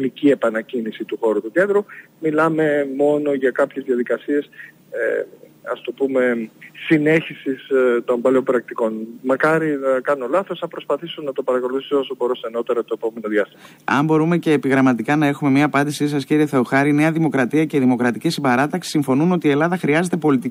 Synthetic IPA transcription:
nicie̞pɐnɐcinisit̪uxo̞ɾut̪ukend̪ɾu | milɐme̞mo̞no̞ʝɐkɐpçe̞zðiɐðikɐsie̞s | ɐ̰st̪o̞pume̞sine̞çisist̪o̞mbɐleo̞mpɾɐk̚t̪iko̞nmɐkɐɾinɐkɐnuolɐθosθɐpɾo̞spɐθisunːɐt̪o̞pɐɾɐko̞luθisosoboɾuseno̞t̪e̞ɾɐt̪o̞epo̞me̞noðjɐst̪imɐ | ɐ̰mbo̞ɾume̞ce̞ːpiɣɾɐmɐt̪ikɐnɐe̞xume̞mɲiɐːpɐnd̪isisɐsciɾieθe̞oxɐɾine̞ɐðimo̞kɾɐt̪iɐce̞ðimo̞kɾɐt̪icesibɐɾɐt̪ɐksi̥siɱfo̞nuno̞t̪iːe̞lɐðɐxɾiɐze̞t̪e̞po̞lit̪i

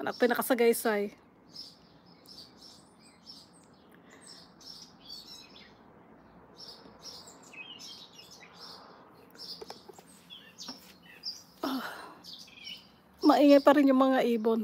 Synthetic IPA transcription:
ʔɐnʔɐ̰k̚t̪ojnɐkɐsɐɡajsaj | ʔa | mɐʔiːŋajpɐɾɪnjʊŋmɐŋaʔiːbon

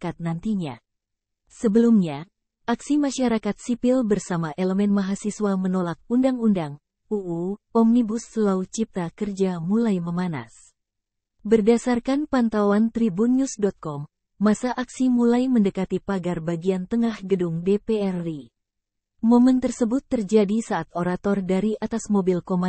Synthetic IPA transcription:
kat̪̚nant̪iɲa̰ | səbəlumɲa | ʔaksimaʃaɾakat̪sipilbərsamaʔeləmɛnmaɦasiswamənolak̚undaŋundaŋ | uʔuɔmnibusəlaut͡ʃip̚t̪akərd͡ʒamulajməmana̰s | bərdasarkanpant̪awant̪ɾibunjusdɔt̪̚kɔmː | asaʔaksimulajməndəkat̪ipaɡarbaɡiant̪əŋahɡədʊŋdepeɛri | momənt̪ərsəbʊt̪ːərd͡ʒadisaːt̪̚oɾat̪ɔrdaɾiʔat̪asmobilkoma

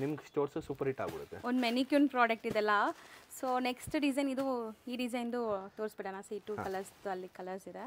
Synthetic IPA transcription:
nimɐɡsʈoːɾsɐsuːpɐɾɦiʈa̰ːɡṵɽut̪ːeond̪menikjunpɾaːɖɐk̚ʈid̪ɛlːɐsoːneksʈɖid͡ʒɐjnid̪uiːɖid͡ʒɐjnd̪ut̪oːɾsbeʈɐnasiːʈːukɐlɐɾsd̪uɐlːikɐlɐɾsid̪e

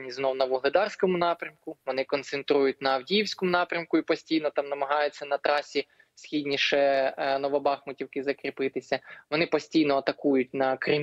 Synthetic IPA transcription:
nʲiznɔwnɐʋʊɦlˠɪd̪ɑrsʲkɔmʊnɑpɾʲɐmkʊʋɔnɪkɔnt̪sent̪ɾujʊt̚ʲnɐwdʲijiwsʲkɔmʊnɑpɾʲɐmkʊipɔsʲtʲijnɔt̪ɑmnɐmɐɦɑjʊt͡sʲːɐnɐt̪ɾɑsʲi | sʲxʲidʲnʲiʃɛnɔʋɔbɑxmʊtʲiwkɪzɐkɾʲɪpɪt̪ɪsʲɐʋɔnɪpɔsʲtʲijnɔɐt̪ɐkujʊtʲnɐkɾɪm

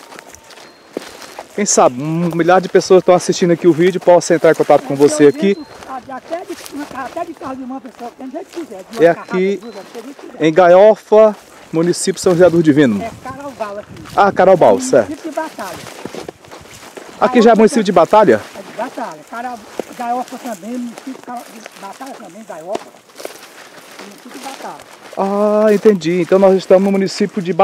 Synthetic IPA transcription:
kẽj̃sabɪũmiʎaɾd͡ʒɪpesoɐzɪʃt̪ɐ̃w̃asiʃt͡ʃĩd̪ʊɐakiʊvid͡ʒʊpɔsɐ̃ẽnt̪ɾaɾ̃kõt̪at̪ʊ̥kõvoseaki | sõ | ɛaki | ẽj̃ɡajɔfɐ | mũnisipʲjʊ̥sɐ̃ʒeɾad̪oɾd͡ʒɪvĩnũmʊaɾabawɐkakaɾawbawssɛ̰ɾt̪ʊbat̪aʎɐ | a̰kiʒaɛmũnisipjʊd͡ʒɪbat̪aʎɐɛd͡ʒɪbat̪aʎɐkaɾaɡajɔfɐt̪ɐ̃bẽj̃munisipjkaɾd͡ʒbat̪aʎɐt̪ɐ̃bẽj̃ɡajɔfɐ | munisipd͡ʒbat̪alɐ | aẽnt̪ẽd͡ʒiẽnt̪ɐ̃w̃nɔzɪʃt̪ɐ̃mʊznʊmũnisipjʊd͡ʒɪba

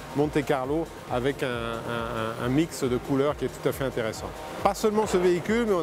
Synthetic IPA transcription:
mɔ̃t̪ekaʁlo | avɛkɛ̃ɛ̃ɛ̃miksd̪əkulœʁkʲiɛt̪u̥t̪afɛɛ̃t̪eʁɛsɑ̰̃ | pasœlmɑ̃səveikʲylmɛɔ̃

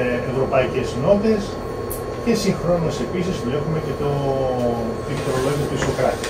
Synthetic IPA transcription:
evɾo̞pɐice̞zno̞t̪e̞s | ce̞siŋxɾo̞nose̞pisizvloxumece̞t̪o | t̪init̪oɾoloimɐt̪uisokɾɐt̪i

